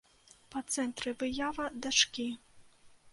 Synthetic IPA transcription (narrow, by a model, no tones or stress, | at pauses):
pɐt̪sɛnt̪ɾɨvɨjavɐd̪at͡ʂkʲi